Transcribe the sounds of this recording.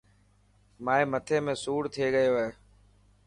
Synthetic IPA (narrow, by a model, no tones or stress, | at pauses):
maːeːmət̪ʰeːmẽːsuːɽt̪ʰɪeːɡəjoːɦeː